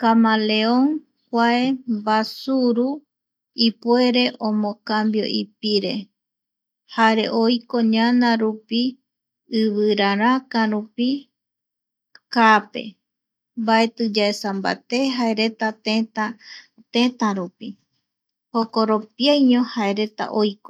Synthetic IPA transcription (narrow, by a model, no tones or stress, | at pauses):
kamale̞oŋ | kʷae̞mbasuɾu | ipue̞ɾe̞ʔõmõkambjo̞̰ʔipiɾe̞̰ | haɾe̞̰ʔojko̞ɲanãɾupi | ɨβɨɾaɾakãɾupi | kape̞̰ | mbae̞t̪ɨd͡ʒaesamba̰t̪e̞ɦaeɾe̞t̪at̪et̪a | t̪ẽt̪aɾupi | hokoɾopiajɲõhae̞ɾe̞t̪a̰ʔojko